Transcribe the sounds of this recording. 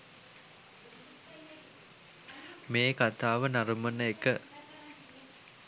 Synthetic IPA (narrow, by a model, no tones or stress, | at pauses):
meːkat̪aːʋənaɾmənəekə